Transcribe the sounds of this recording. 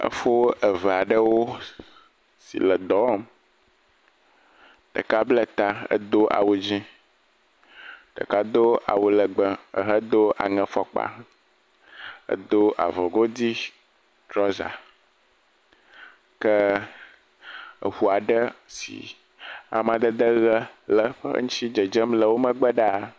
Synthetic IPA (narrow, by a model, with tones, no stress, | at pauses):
ə̰˦fo˦ə˨vɛ˨a˨ɖə˦wo˦ | sḭ˨lə˨d̪ɔ˨˦m | t̪ə̰˨ka˦blə˦t̪a˦ə̰˦d̪o˦ʔa̰˨wu˨d͡ʑĩ˦ | t̪ə̰˨ka˦d̪o˦a̰˨wu˨lə˨ɡ͡bə˦ə̰˨ɦə˦d̪o˦a̰˨ŋɛ̃˦fɔ˦k͡pa̰˦ | ə̰˦d̪o˦ʔa̰˨vɔ˨ɡo˦d̪i˦ | t̪ɾɔ˦za̰˨ | kə˦ | ə̰˨ɸu˦a˨ɖə˦sḭ˨ | a̰˨mã˨d̪ə˦d̪ə˦ɣə˦lə˦ɸə̰˦ŋũ˦t͡ɕi˦d͡ʒə˨d͡ʒə˦mlə˨wo˦mə̃˦ɡ͡bə˦ɖa˦˨